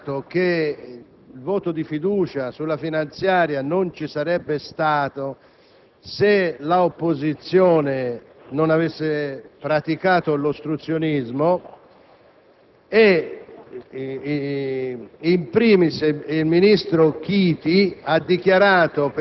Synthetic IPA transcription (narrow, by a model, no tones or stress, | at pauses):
t̪ok̟e | lvɔːt̪od̪ifid̪uːt͡ʃasulːafinant̪sjaːɾjanont͡ʃisaɾɛbːest̪aːt̪o | selaopːozit̪sːjɔːne | nonavesːepɾat̪ikaːt̪olost̪ɾut̪sːjonizmo | e | impɾiːmiseilminist̪ɾok̟iːt̪iad̪ːik̟jaɾaːt̪op